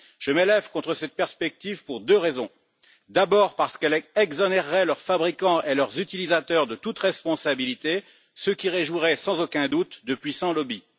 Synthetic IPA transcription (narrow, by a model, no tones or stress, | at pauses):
ʒ̥əmelɛvkɔ̃t̪χəsɛt̪̚pɛʁspɛk̚t̪ivpuʁd̪øʁezɔ̃ | d̪abɔʁpaʁsə̥kɛlɛɡzɔnɛʁːɛlœʁfabʁikɑ̃ʔelœʁzyt̪ilizat̪œʁd̪ət̪ut̪ʁɛspɔ̃sabilit̪e | səkʲiʁeʒuʁɛsɑ̃zokʲɛ̃d̪ut̪d̪əpɥisɑ̃lɔbi